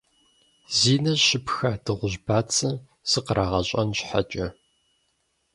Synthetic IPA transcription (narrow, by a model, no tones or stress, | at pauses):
ziːnɐɕɪpxɐdɨʁʷʊʑbaːt͡sʰɐ | z̥ɨqəɾaːʁɐɕʼɐnɕħa̰t͡ʃʼɐ